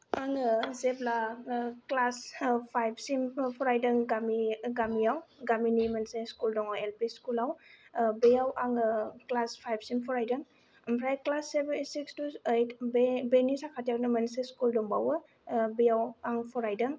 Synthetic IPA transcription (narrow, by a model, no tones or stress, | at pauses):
aŋɯzeplaklaspʰajb̚ʰsimpʰɔɾajdɯŋɡamiɡamijawɡaminimənseskuldɔŋawelpiskulawbejawʔaŋɯklaspʰajb̚simpʰɔɾajdɯŋ | əmpʰɾajklasːebensikstuejtʰbbenisakʰatijawnimənseskuldɔŋbawɯ | bɯjawaŋpʰɔɾajdɯŋ